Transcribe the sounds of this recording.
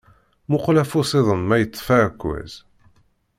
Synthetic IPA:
mʊqlæfusˤeðˤənmæjət͡sːfæɾkːwæ̰z̥

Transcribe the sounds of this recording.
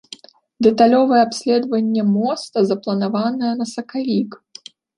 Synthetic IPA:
d̪ɛt̪alʲɔvɨjɛapsʲlʲɛd̪vɐnʲːɛmɔst̪ɐzɐplˠɐnavanɐjɐnɐsɐkalʲik

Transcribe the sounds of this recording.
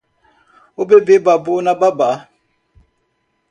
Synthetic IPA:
obebebabonababa

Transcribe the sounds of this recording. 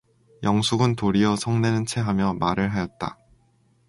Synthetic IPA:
jʌŋsʰuɡɯntoɾiʌsʰʌŋne̞nɯnt͡ɕʰe̞ɦamjʌmaɾɯɭɦajʌt̚t͈a̰

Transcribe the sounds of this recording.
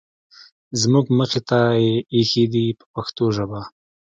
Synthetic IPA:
zmuɡməxet̪ajeexed̪ipə̥paxt̪oʒəba

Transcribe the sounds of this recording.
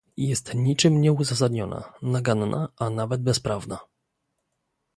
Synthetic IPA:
jɛst̪ɲit͡ʂɘmɲɛuzas̬ad̪ɲɔna̰naɡanːʔa̰ʔanavɛd̪̚bɛspɾavna

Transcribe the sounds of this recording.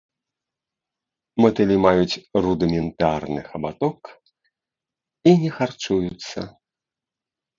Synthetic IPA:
mɐt̪ɛlʲimajut͡sʲrud̪ɨmʲɛnt̪arnɨxɐbat̪ɔk | inʲɛxart͡ʂujut̪sːɐ̰

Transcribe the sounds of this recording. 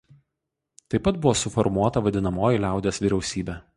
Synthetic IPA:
t̪ɐɪpːɐt̪̚bʊʋoːsʊfɔɾmuɔt̪ɐʋɐd̪ʲɪnɐmoːjɪlʲæˑʊd̪ʲeːsʋʲiːɾʲɛʊsʲiːbʲɛː

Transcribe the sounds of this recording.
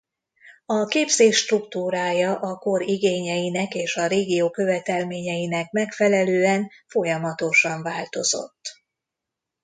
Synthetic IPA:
ɒkeːbzeːʃːt̪rukt̪uːɾaːjɒʔɒko̞ɾiɡeːɲɛjinɛkeːʃɒɾeːɡijoːkø̞vɛt̪ɛlmeːɲɛjinɛkmɛkfɛlɛløːɛnfo̞jɒmɒt̪o̞ʃɒɱvaːlt̪o̞zo̞̰t̪ː

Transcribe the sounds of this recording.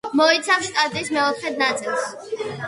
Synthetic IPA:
mɔit̪sʰafsst̪ʼat̪ʼiːsmɛɔt̪χɛd̪̚nat̪sʼilˠs

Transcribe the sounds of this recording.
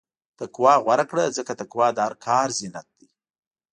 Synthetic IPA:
t̪akwɑɣwaɾakɽəzəkat̪akwɑd̪əaɾkʰɑɾzɪnat̪̚d̪i

